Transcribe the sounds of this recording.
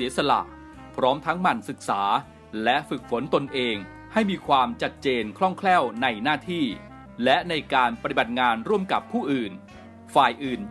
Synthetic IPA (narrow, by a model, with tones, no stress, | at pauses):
siː˩˦əsa˧la̰˨˩ʔ | pʰɾɔː˦˥mt̪ʰa˦˥ŋma˧˩nsɯ˨˩k̚saː˩˦ | lɛ˦˥ʔfɯ˨˩k̚fo˩˦nt̪o˧nʔeː˧ŋ | ha˥˩jmiː˧kʰwaː˧mt͡ɕa˨˩t̪̚t͡ɕeː˧nkʰɾɔ˥˩ŋkʰlɛː˥˩wna˧jnaː˥˩t̪ʰiː˥˩ | lɛ˦˥ʔna˧jkaː˧npa˧t̪i˨˩ba˨˩t̪̚ŋaː˧nɾu˥˩əmka˨˩pʰːuː˥˩ʔɯː˨˩n | faː˨˩jʔɯː˨˩n